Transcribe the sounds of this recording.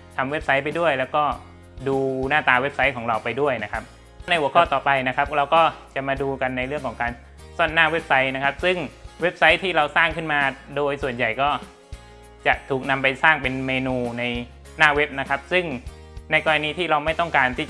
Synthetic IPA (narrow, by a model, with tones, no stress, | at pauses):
t̪ʰa˧mwe˦˥p̚sa˦˥jpa˧jdu˥˩əjlɛː˦˥wkɔː˥˩ | duː˧naː˥˩t̪aː˧we˦˥p̚sa˦˥jkʰɔː˩˦ɾa˧wpa˧jdu˥˩əjna˦˥kʰa˦˥p̚ | na˧jʔə˦kʰːt̪ɔː˨˩pa˧jna˦˥kʰa˦˥p̚ɾa˧wkɔː˥˩t͡ɕa˨˩maː˧duː˧ka˧nːa˧jɾɯ˥˩əŋkʰɔː˩˦ŋkaː˧n | sɔ˥˩nːaː˥˩we˦˥p̚sa˦˥jna˦˥kʰa˦˥p̚sɯ˥˩ŋwe˦˥p̚sa˦˥jt̪ʰiː˥˩ɾa˧wsaː˥˩ŋkʰɯ˥˩nmaː˧doː˧jsu˨˩ənja˨˩jkɔː˥˩ | t͡ɕa˨˩ʔt̪ʰuː˨˩k̚na˧mpa˧jsaː˥˩ŋpe˧nmeː˧nuː˧na˧j | naː˥˩we˦˥p̚na˦˥kʰa˦˥p̚sɯ˥˩ŋ | na˧jkɔː˧ɾa˧niː˧t̪ʰiː˥˩ɾa˧wma˥˩jt̪ɔ˥˩ŋkaː˧nt̪ʰiː˥˩